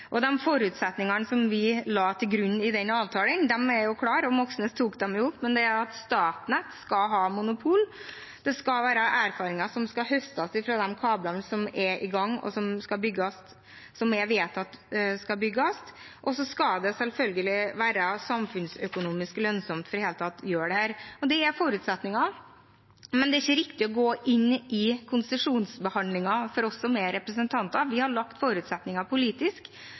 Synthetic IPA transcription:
ʔɔd̪ɛmfɔɾʉːt̪sɛt̪nɪŋɑnsɔmʋɪlɑːt̪ʰɪlɡɾʉnːɪd̪ɛnɑːʋt̪ʰɑːlənd̪ɛmæɾjʊkʰlɑːɾɔmɔksnəst̪ʰːuːkd̪ɛmjʊʊpːmɛnd̪ɛæɾɑt̪st̪ɑːt̪nət̪skɑɦɑːmʊnʊpʰuːl | d̪̥ɛskɑʋæːɾəʔæːɾfɑːɾɪŋɑsɔmskɑɦœst̪ɑsɪfɾɑd̪ɛmkʰɑːblɑnsɔmɛɾʔɪɡɑŋːɔ̰sɔmskɑlbʏɡːɑs | sɔmɛʋeːt̪ɑt̪skɑbʏɡːɑst̪ | ʔɔsɔskɑld̪ɛsɛlfœlɡəlɪʋæːɾəsɑmfʉnsœkʊnuːmɪsklœnsɔmt̪fɔɾheːlət̪ʰɑt̪ːjøːɖɛhæːɾɔd̪ɛːɾfoːɾʉːt̪sɛt̪nɪŋɑ | mɛnd̪ɛæɪçːəɾɪkt̪ɪɔɡoːʔɪnːɪkʰʊnsəʂuːnsbəhɑnd̪lɪŋɑfɔɾɔsːɔmɛɾɛpɾəsənt̪ʰɑnt̪ɑʋɪhɑɭɑkt̪foːɾʉːt̪sɛt̪nɪŋɑpʊliːt̪ɪsk

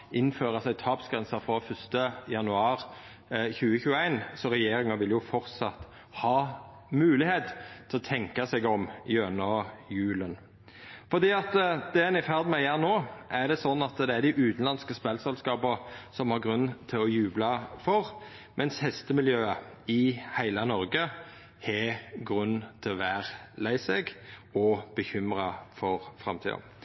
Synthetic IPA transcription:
ɪnːføːʁəsæɪt̪ʰɑːpsɡ̥ɾɛnsəɾfɾɔfœst̪əjɑnʉɑːɾ | çʉːəçʉːəæɪnsɔɾɛjeːɾɪŋɑʋɪljʊfɔʁt̪sɑt̪ː | hɑː | mʉːlɪheːt̪t̪ʰɪlɔt̪ʰɛŋkɑsɛɡɔmjøːnəɔjʉːlən | fɔʁd̪iːɑt̪əd̪̥ɛɛnɪfæʁd̪mɛjæːʁnoːʔæʁd̪ɛsɔnːɑt̪d̪ɛæʁd̪ɪʔʉːt̪n̩lɑnskəspɛlsɛlskɑːpəʁsɔmhɑʁɡʁʉnːt̪ʰɪlɔjʉːblɑfɔʁ | mʔɛnshɛst̪əmɪljøːəɪhæɪlɑnɔɾɡə | hɛɡʁʉnːt̪ʰɪlɔʋæːʁlæɪsɛɡɔb̥əçʏmʁɑfɔʁfʁɑ̰mt̪ʰḭːɑ̰

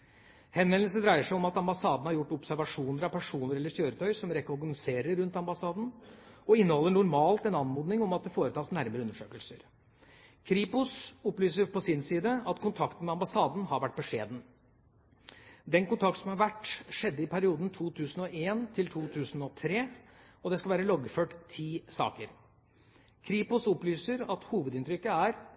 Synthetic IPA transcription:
hɛnʋɛnl̩səd̪ɾæɪəʂæɪɔmɑt̪ɑmbɑsɑːd̪n̩hɑɾjʊʈːɔpsæɾʋɑʂuːnəɾɑʋpʰæʂuːnəɾɛlːəɾçøːɾət̪ʰœʏsɔmɾɛkɔɾɡnɪseːɾəɾɾʉnt̪ɑmbɑsɑːd̪n̩ɔɪnːəhɔlːəɳʊɾmɑːlt̪ɛnɑnmuːd̪nɪŋɔmɑt̪̚d̪ɛfoːɾət̪ɑːsnæɾməɾəʉnːəʂøːkəlsəɾ | kʰɾiːpʊsɔplyːsəɾpɔsɪnsiːd̪əɑt̪kʰʊnt̪ʰɑkt̪ən̩mɛɑmbɑsɑːd̪n̩hɑɾʋæʈ̚ːbɔʂḛːd̪n̩ | d̪ɛnkʊnt̪ʰɑk̚t̪sɔm̩hɑɾʋæʈːʂɛd̪ːəɪpʰæɾɪuːd̪n̩t̪ʰuːt̪ʰʉːsn̩ɔʔeːnt̪ʰɪlt̪ʰuːt̪ʰʉːsn̩ɔt̪ʰɾeː | ɔd̪ɛskɑlʋæːɾəlɔɡføːʈt̪ʰiːsɑ̰ːkəɾ | kʰɾiːpʊsɔplyːsəɾɑt̪huːʋəd̪ɪnt̪ɾʏkːəæɾ

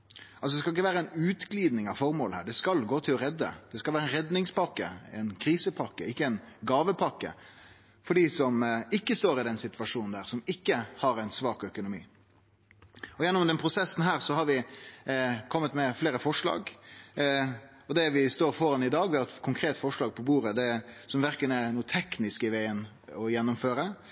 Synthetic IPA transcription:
ɑlsɔd̪ɛskɑlɪkːəʋæːɾəæɪnʉːt̪ɡliːd̪nɪŋɑʋfɔɾmoːlhæːɖɛskɑlɡoːt̪ʰɪlɔɾɛd̪ːə̰d̪̥ɛskɑʋæːɾəɛnɾɛd̪nɪŋspɑkːə̰ɛ̰ɪnkʰɾiːsəpʰɑkːəɪkːəɛɪnɡɑːʋəpʰɑkːə̰ | fɔɖiːsɔmɪkːəst̪oːɾɪd̪ɛnsɪt̪ʋɑʂuːnn̩d̪æːɾsɔmɪkːəhɑɾæɪnsʋɑːkœkʊnʊmḭː | ɔjɛnːʊmd̪ɛnpʰɾʊsɛsn̩ɦæːɾsɔhɑɾʋɪ | kʰɔmːət̪mɛfleːɾəfɔʂlɑ̰ːɡ | ɔd̪ɛʋɪst̪oːɾfɔɾɑnɪd̪ɑːɡʋɪhɑɾɛt̪kʰʊŋkʰɾeːt̪fɔʂlɑːɡ̚pʰɔbuːɾəd̪ɛsɔmʋæɾkənɛnuːət̪ʰɛknɪskɪʋæɪən | ɔjɛnːʊmføːɾə

